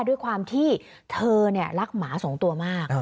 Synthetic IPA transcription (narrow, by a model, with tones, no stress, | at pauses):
du˥˩əjkʰwaː˧mt̪ʰiː˥˩ | t̪ʰɤː˧ni˥˩ɐɾa˦˥k̚maː˩˦so˩˦ŋt̪u˧ɐmaː˥˩k̚